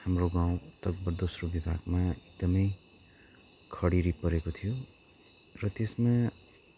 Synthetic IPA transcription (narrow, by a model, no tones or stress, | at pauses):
hamroɡãw̃t̪ʌk̚bʌrd̪osrobibʱa̰ɡmaeɡ̚d̪ʌmʌj | kʰʌɽiɾipʌɾekot̪ʰijo | rʌt̪esma